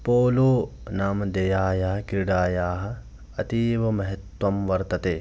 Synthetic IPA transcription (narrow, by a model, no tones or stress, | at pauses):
poːloːnaːmɐd̪ɐjaːjaːɦɐkiɾiɖaːjaːɦɐ̆ | ɐt̪iːʋɐmɐɦɐt̪wɐmʋɐɾt̪ɐt̪eː